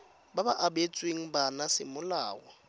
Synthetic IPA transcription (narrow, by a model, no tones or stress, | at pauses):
babaʔabet͡sʼweŋ̩banasɪmʊla̰ːɣɔ